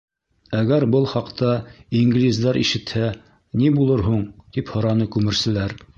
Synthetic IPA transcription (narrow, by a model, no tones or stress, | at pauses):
æɡæɾbɤlˠχɑqt̪ɑiŋɡlʲizd̪ɑɾʔḭʃɘ̆t̪hæ | nibulˠɤɾɦuɴt̪iphɤ̆ɾɑnɤkʉmɘ̆ɾsɘ̆læɾ